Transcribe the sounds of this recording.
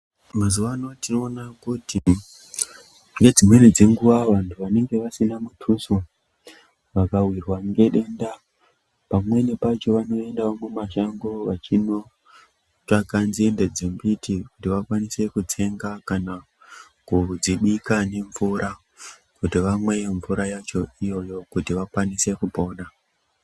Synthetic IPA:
mazuʋanotino̞ːnakuti | ŋɡe̞d͡zimwe̞ned͡ze̞ŋɡuʋaʋantʰuʋane̞ŋɡe̞ʋasinamutʰuswa | ʋakawirwaŋɡe̞ɗe̞nda | pamwe̞nepat͡ʃo̞ʋano̞e̞ndaomumaʃaŋɡoʋat͡ʃino̞ | ʈ͡ʂakanzie̞nded͡zembitʰikutiʋakwanise̞kut͡se̞ŋɡakana | kud͡ziɓikane̞ɱvuɾa | kutiʋamwe̞jeɱvuɾajat͡ʃo̞ijo̞jo̞kutiʋakwanise̞kupo̞ːɗa

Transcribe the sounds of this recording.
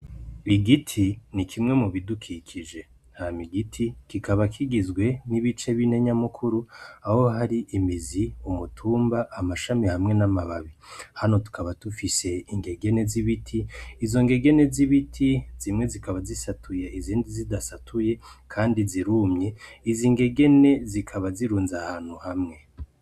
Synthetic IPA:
βiɡitʰinikʰimŋe̞muβidukʰikʰiʒe̞ | hamiɡitʰikikaβakʰiɡizɡwe̞niβit͡ʃe̞βine̞ɲamukʰuɾuaho̞ɦaɾiʔimiziumutʰuːmbaʔːmaʃamihamŋe̞namaβaβihano̞tu̥kʰaβatufise̞iŋɡe̞ɡe̞ne̞ziβitʰiːzo̞ŋɡe̞ɡe̞ne̞ziβitʰiz̥imŋe̞zikaβazisatʰujeiziːndizidasatʰuje̞kʰaːndiziɾumɲe̞iziːŋɡe̞ɡe̞ne̞zikʰaβaziɾuːnzahaːn̥huhamŋe̞

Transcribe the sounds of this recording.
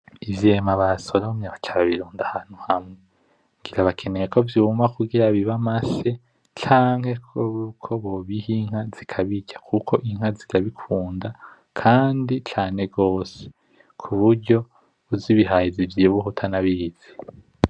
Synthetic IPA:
ivjeːmaβaso̞ɾomɲeβat͡ʃʰaβaβiɾuːndahaːn̥huhamŋee | ŋɡiɾaβakʰe̞nejeko̞vjumakuɡiɾaβiβamase̞ | t͡ʃaːŋhe̞koukʰo̞βo̞βihiŋ̥haz̥ikʰaβiɟakʰukʰo̞ʔiŋhazitaβikʰuːnda | kʰaːndit͡ʃaːne̞ɡɡo̞ːse | kʰuβuɾɟo̞ | uziβiɦajizivjiβuɦutʰanaβiz̥i̥

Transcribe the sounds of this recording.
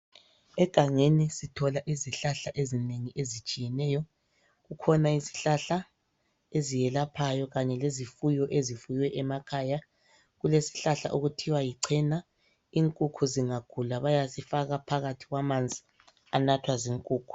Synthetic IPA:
ɛɡ̥ʱaŋenisitʰɔlaʔiziɬaɬaʔezineŋiʔezit͡ʃʼijɛnɛjɔ | ɣukʰɔnaisi̥ɬaɬa | ezijɛlapʰajɔɣaɲɛlezifujɔʔezifujwɛʔɛmakʰaːja | ɣulesi̥ɬaɬa̰ʔoɣutʰiwajiǀʰɛna | iŋkʼukʰuziŋaɡ̥ʰʱulaβajasifaɣapʰaɣatʰiɣwamand͡zʱi | anatʰwaziŋkʼuːkʰu̥

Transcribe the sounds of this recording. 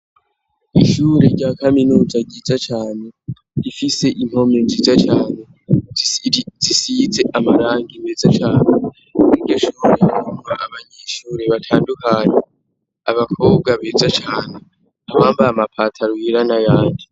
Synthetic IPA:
iʃuːɾeɾɟaːkaminuːzaɟiːzat͡ʃaːne̞ | ifise̞ʔin̥ho̞me̞nd͡ʒiːzat͡ʃaːne̞ | zisize̞ʔamaɾaːŋɡimbezat͡ʃaːne | niɾɟoʃuːɾeuaʔaβaɲeːʃuːɾe̞βatʰaːndukaɲe | aβakʰo̞ːb̚ɡaβeːzat͡ʃaːne | aβaːmbaamapʰatʰaɾwiːɾanajaːndi

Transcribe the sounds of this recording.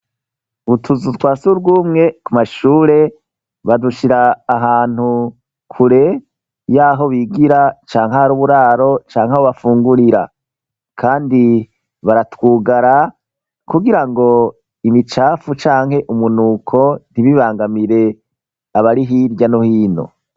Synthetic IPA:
utʰuzutwaːsuɾɡuːmŋe̞kumaʃuːɾe̞ | βaduʃiɾaːɦaːn̥hu | kʰuɾe̞ | jaːɦo̞βiɡiɾat͡ʃaːŋhaɾuβuɾaːɾo̞t͡ʃaːŋhahoβafuːŋɡuɾiɾa̰ | kʰaːndi | βaɾatwuːɡaɾa | kuɡiɾaŋɡo̞ | imit͡ʃaːfut͡ʃaːŋ̥he̞ʔumunuːkʰo̞n̥iβiβaːŋɡamiɾe̞ | aβaɾiɦiɾɟanohiːno̞̰

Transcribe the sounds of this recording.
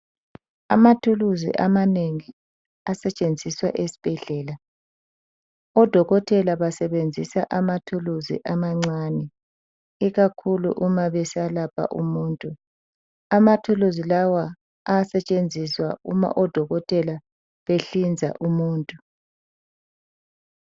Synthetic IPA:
amatʰuluzḭʔamaneŋi | asɛt͡ʃʼend͡zʱiswaʔesi̥b̥ʱɛɮɛːla | ɔd̥ʱɔɣɔtʼɛlaβasɛβend͡zʱisaʔamatʰuluzḭʔamaŋ͡ǀanɛ | iɣakʰulṵʔumaβɛsalapʰa̰ʔṵmuːntʼu | amatʰuluzilawa | asɛt͡ʃʼend͡zʱiswa̰ṵma̰ʔɔd̥ʱɔɣɔtʼɛla | βeɬind͡zʱa̰ʔumuːntʼu

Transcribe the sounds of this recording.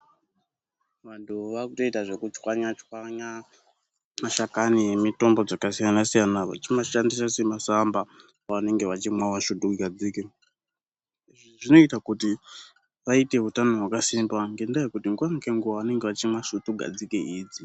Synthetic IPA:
ʋantʰuʋakuto̞itaʐe̞kut͡ʃwaɲat͡ʃwaɲa | maʃakanijemito̞mbo̞d͡zakasijanasijanaʋa̰t͡ʃimaʃandisasemasamba | aʋane̞ŋɡe̞ʋat͡ʃimwamaʃutuɡʱad͡ziːke | iʐiʐino̞itakuti | ʋaite̞ɦutano̞ɦwakasimbaŋɡe̞ndajekutiŋɡwaŋɡeŋɡuʋaʋane̞ŋɡe̞ʋat͡ʃimwaʃutuɡʱa̰d͡zikeʔiːd͡zi

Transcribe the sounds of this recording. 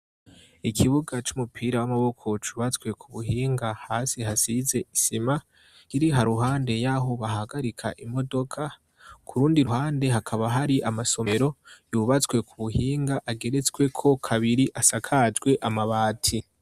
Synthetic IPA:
ikʰiβuɡat͡ʃumupʰiːɾawamaβo̞kʰo̞t͡ʃuβat͡swe̞kʰuβuɦiːŋɡahaːsiɦasize̞isima | kiɾiɦaɾuɦaːnde̞jaɦo̞βaɦaɡaɾikʰa̰ʔimo̞do̞kʰa | kʰuɾuːndiɾuhaːnde̞ɦakʰaβaɦaɾiʔamaso̞meɾo̞juβat͡swe̞kuβuhiːŋɡaʔaɡe̞ɾe̞t͡sɡwe̞kʰo̞kʰaβiɾiʔasakʰad͡ʒɡwe̞ʔamaβaːtʰi

